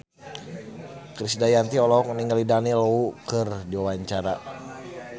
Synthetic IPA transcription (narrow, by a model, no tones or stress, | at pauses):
kɾisdajant̪iɔlɔk̚niŋalidaniloukɨrdiwawaɲt͡ʃaɾa